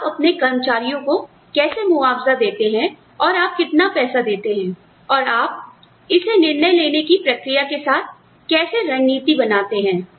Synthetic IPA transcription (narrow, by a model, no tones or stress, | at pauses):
pɐpnekɐɾmət͡ʃaːɾijõko | kɛːsemʊaːfzad̪eːt̪eɦɛ̃ | ɔːɾaːp̚kɪt̪napɛːsad̪eːt̪eɦɛ̃ː | ɔːɾaːp̚ | ɪsenɪɾnəjleːnekipɾɐkɾijakesaːt̪̚ʰ | kɛːseɾɐ̃ŋɡniːt̪ibɐnaːt̪eɦɛ̃ː